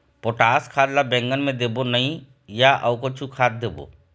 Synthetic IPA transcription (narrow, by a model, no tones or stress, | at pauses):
poʈaːskʰaːdlabɛ̃ːŋɡənmẽd̪eːbonɐɦĩ | jaʔɐwkot͡ʃʰukʰaːt̪̚d̪eːbo̰ː